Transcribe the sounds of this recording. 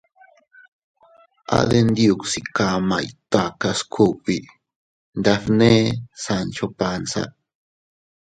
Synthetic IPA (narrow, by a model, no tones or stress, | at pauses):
ʔa̰ðend̪iuksikamajt̪akaskʰupi | nd̪afnesant͡ʃopansa̰